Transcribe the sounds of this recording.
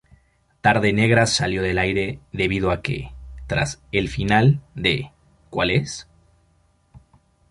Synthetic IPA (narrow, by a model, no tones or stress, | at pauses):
t̪aɾðe̞ne̞ɣɾasaljo̞ðe̞lajɾe̞ðe̞βið̞oake̞̰t̪ɾa̰se̞lfinald̪e̞ | kwale̞s